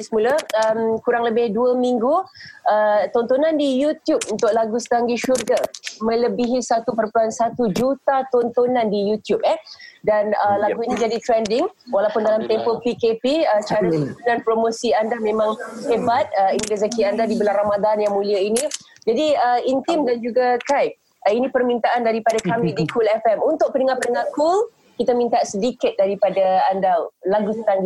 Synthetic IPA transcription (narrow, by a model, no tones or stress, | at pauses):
səmuləəmkuɾaŋləbɪhduəmiŋɡuət̪ɔnt̪onandijut̪jup̚unt̪ʊʔ̚laɡusə̥t̪aŋɡiʃurɡəmə̃ləbiɦisat̪upərpuansat̪ud͡ʒut̪at̪ont̪onãndijut̪jup̚ɛdanəlaɡuinid͡ʒadit̪ɾɛndɪŋwalawpʊndalamt̪ɛmpɔpikepiət͡ʃaɾaudanpɾomosiandahmẽmãŋhebat̪̚əiŋɾazakiandadibəlaramadanjaŋmũliainĩ | d͡ʒadiəint̪ɪmdand͡ʒuɡakajp̚ | inĩpərmint̪aʔandaɾipadakamidikʰulɛfɛmunt̪ʊk̚pənəŋahpənəŋakul | kit̪amĩnt̪asədikɪt̪̚daɾipadaandahlaɡut̪and